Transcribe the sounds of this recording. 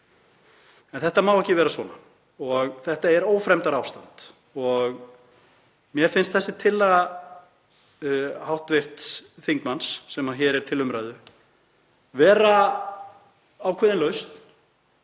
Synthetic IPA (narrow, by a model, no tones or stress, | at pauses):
ɛnθɛht̪amawɛhcɪvɛːɾasvɔːna | ɔɣθɛht̪aɛɾoːwfɾɛmt̪aɾawst̪ant̪ | ɔɣ | mjɛɾ̥fɪnst̪θɛsːɪt̪ʰɪlːa | hawht̪vɪr̥t̪sθiŋkmansːɛmaçɛːɾɛɾ̥t̪ʰɪlʏmɾaðʏ | vɛːɾa | awkʰɛːðɪnlœɥst̪n̥